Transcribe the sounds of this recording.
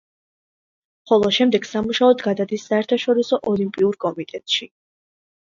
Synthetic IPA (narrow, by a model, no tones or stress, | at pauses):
χɔlˠɔʃɛmd̪ɛɡsamuʃaɔd̪ɡad̪ad̪isːaɛɾt̪ʰaʃɔɾisɔʔɔlimpʼiuɾkʼɔmit̪ʼɛt̪ʼʃi